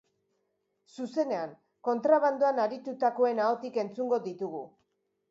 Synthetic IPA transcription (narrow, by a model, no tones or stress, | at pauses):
suse̞ne̞aŋ | ko̞nt̪ɾaβ̞and̪uanaɾit̪ut̪ako̞e̞nao̞t̪ike̞nt͡suŋɡo̞ðit̪uɣ̞u